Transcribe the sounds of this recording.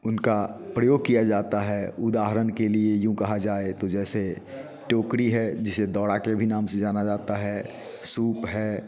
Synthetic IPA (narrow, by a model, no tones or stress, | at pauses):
ʊnkapɾəjoːɡ̚kijad͡ʒaːt̪aɦɛʊd̪aːɦəɾənkeliejõkɐɦad͡ʒaːet̪od͡ʒɛːse | ʈoːkɾiɦɛd͡ʒɪsed̪ɔːɽakebʱinaːmsẽd͡ʒaːnad͡ʒaːt̪aɦɛ | suːpɦɛː